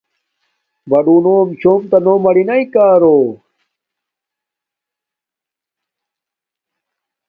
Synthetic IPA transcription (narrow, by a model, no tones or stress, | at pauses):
bɐɖuːnoːmɕoːmt̪ɐnoːmɐɽinɐikaːɾo